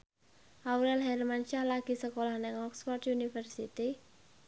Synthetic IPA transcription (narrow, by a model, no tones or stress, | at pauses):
ʔawɾɛlɦɛrmanʃalaɡ̥i̤səkolahnɪŋɔksfɔrd̪junifərsit̪i